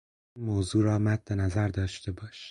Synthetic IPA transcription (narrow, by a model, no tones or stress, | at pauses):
moːzuːɾɒːmæt̪̚d̪enæzæɾd̪ɒːʃt̪e̞bɒːʃi̥